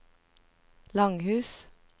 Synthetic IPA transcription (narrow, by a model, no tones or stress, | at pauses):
lɑŋhʉːs